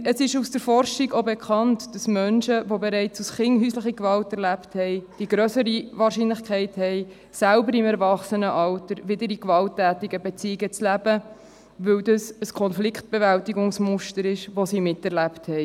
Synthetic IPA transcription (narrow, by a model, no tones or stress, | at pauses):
əsɪʃusd̥əɾfɔrʃiɡobekʰχɑntd̥ɑsmœnʃəʋobeɾɛɪt͡susχɪŋɦyːsləχəkvɑltɛɾlæpthɛɪd̥iɡɾœsəɾiʋɑːɾʃiːnləχkχɛɪthɛɪ | sælbəɾɪmæɾvɑχsənəʔɑltəɾʋɪdəɾikvɑltːæːtɪɡəbet͡siɪɡət͡slæb̥ə | ʋɵwdəsəskʰɔnflɪkʰt̚b̥evæltiɡʊŋsmʊʃtəɾɪʃʋosimɪtɛɾlæpthɛɪ